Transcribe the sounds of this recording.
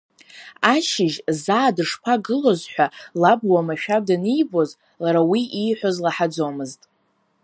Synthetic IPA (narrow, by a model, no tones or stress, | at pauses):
aʃɪʒzaːdɨʂpʰaɡɨlo̞zħʷᶣalabwamaʃᶣab̚danijbo̞z | laɾawiijħʷozlaħad͡zo̞mɨztʼ